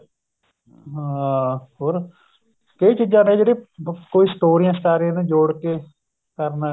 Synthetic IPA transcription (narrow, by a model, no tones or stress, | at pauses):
ɦãɦoːɾ | kəiːt͡ʃiːd͡ʒãːnẽːd͡ʒeːɽeːkoːiːsʈ̪oːɾijãːst̪aːɾiãːneːd͡ʒoːɽkeː | kəɾnː